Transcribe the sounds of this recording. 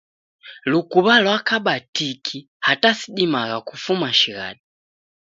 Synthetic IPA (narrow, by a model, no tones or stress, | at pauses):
lukuβalwakaɓatikʰi | hatasiɗimaɣakufumaʃiɣa̰ɗi